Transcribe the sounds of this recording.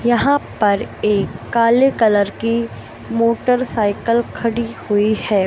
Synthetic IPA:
jɐɦãpɐɾeːkːaːlekɐləɾki | moːʈəɾsaːɪkəlkʰɐɽihʊihɛː

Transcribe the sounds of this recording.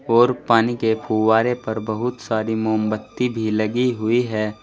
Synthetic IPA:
ɔːɾpaːnikepʰuwaːɾepɐɾbɐɦʊt̪saːɾimoːmbət̪ːibʱilɐɡiɦʊiɦɛː

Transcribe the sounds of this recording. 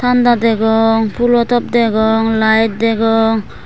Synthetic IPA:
t̪ʰand̪ad̪ɛɡɔŋpʰulɔt̪ɔp̚d̪ɛɡɔŋlajt̚d̪ɛɡɔŋ

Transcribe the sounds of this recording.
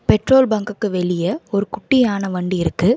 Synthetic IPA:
pɛʈroːlbɐŋɡɯkːɯʋɛɭɪjɐɔɾɯkʊʈːɪjaːnɐʋɐɳɖiɪɾɯkːɯ

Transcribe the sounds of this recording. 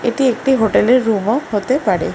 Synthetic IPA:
eʈiek̚ʈiɦoʈeleɾːumɔɦot̪epaɽḛ

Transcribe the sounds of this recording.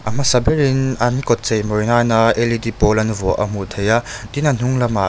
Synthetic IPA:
ʔɐm̥ɐsɐbɛɾinɐnkɔt̪̚t͡sejmɔɾnaːnaʔelidipɔlɐnuvɔʔɐ̰m̥ut̪ʰejat̪inan̥uŋlɐma

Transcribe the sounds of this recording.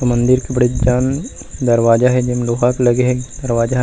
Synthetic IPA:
t̪omɐ̃nd̪ɪɾkibɐɽ̤id͡ʒaːn | d̪ɐɾʋaːd͡ʒaɦɛd͡ʒɪmloːɦaklɐɡeɦɛ̃d̪ɐɾʋaːd͡ʒa

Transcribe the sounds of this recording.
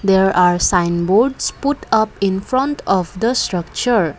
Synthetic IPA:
d̪eɾaɾsãɪnboɾɖspuʈʌpĩnfɾɔ̃nʈɔvd̪əsʈɾʌk̚t͡ʃəɾ

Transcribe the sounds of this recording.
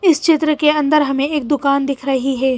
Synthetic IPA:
ɪst͡ʃɪt̪ɾəkeɐ̃nd̪əɾɦɐmẽeːk̚d̪ʊkaːnd̪ɪkʰɾɐɦiɦɛː

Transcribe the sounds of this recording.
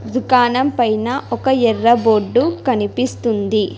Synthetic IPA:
d̪ukaːnɐmpɐjnɐʔʔɔkɐɛrːɐboːɖːukɐnipist̪und̪i

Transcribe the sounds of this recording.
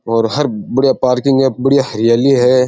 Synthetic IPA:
ɔːɾɦɐɾbɐɽjapaːɾkɪ̃ŋɡɦɛbɐɽijahɐɾɪjaːliɦɛː

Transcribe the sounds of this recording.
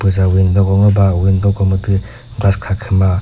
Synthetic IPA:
pɯzawindɔɡɔŋɯbawindɔkɔmɯtɯ | ɡlaskʰakʰɯma

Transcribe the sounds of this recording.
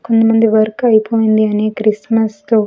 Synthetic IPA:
kond̪imɐnd̪iʋɐɾkɐjpoːjind̪iɐneːkɾismɐst̪oː

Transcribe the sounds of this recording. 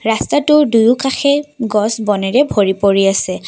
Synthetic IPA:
ɹastatʊdujukaxʰɛɡɔsbɔnɛɹɛbʱoɹipoɹiasɛ

